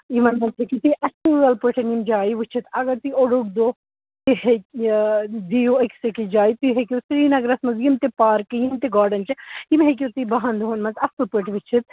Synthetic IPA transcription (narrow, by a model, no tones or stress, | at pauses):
imɐnmɐnzɦekit̪iʔɐsuɐlpəʈʰɐnimd͡ʒaːiʋit͡ʃʰit̪ɐɡɐɾt̪iʔoɽukd̪oː | t̪ihek | d̪ijuɐksekid͡ʒaːjit̪iɦekʲusɾiːnɐɡɾɐsmɐnzjimt̪epaːɾkijimt̪iɡaːɾɖɐnt͡ʃɐjimɦek̬ʲut̪ibɐɦɐnd̪uɦɐnmɐnzɐsɐlpəʈʰʋit͡ʃʰit̪̚